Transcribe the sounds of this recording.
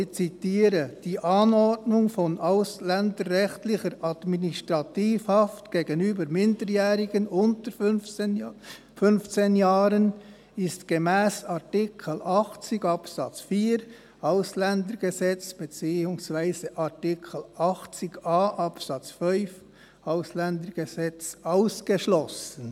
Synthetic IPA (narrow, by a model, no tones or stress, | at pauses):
t͡sitiːɾəd̥iːʔɑnɔɹtnʊŋfɔnʔaʊslɛndəɾːɛxtlɪxəɾɑdministʁɑtiːfhɑftɡ̥eːɡənyːbəɾmɪndəɾjɛːɾɪɡ̥ənʊntə | fʏnft͡seːnjaːɾən | ɪstɡ̥emɛːsɑtɪkʰəl̩ʔɑχt͡sɪɡɑpsɑt͡sfiːɾ | aʊslɛndəɾɡ̥ezɛt͡sb̥et͡siːʊŋsv̥aɪzəʔatɪkʰəl̩ʔɑχt͡sɪɡaːʔɑpsɑt͡sfœlf | ʔaʊslɛndəɾɡ̥ezɛt͡saʊsɡ̥əʃlɔsən